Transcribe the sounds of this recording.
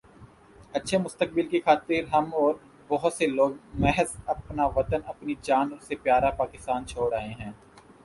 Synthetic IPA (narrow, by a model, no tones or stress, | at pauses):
ɐtːʃʰemʊst̪ək̚bɪlkixaːt̪iɾɦɐmɔːɾ | bɔɦʊt̪seloːɡmɛɦəzɐpnaʋɐt̪ənɐpnid͡ʒaːnsepjaːɾapaːkɪst̪aːnt͡ʃʰoːɽaːɦẽɦɛ̃ː